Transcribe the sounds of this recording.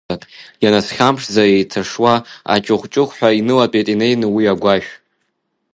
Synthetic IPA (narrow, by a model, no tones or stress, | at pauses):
ajanasχʲamʂzaejtʰaʂwaa̰t͡ʃʼɨχʷt͡ʃʼɨχʷħʷᶣainɨlapʼetʼine̞jnɨwiaɡʷaʒᶣ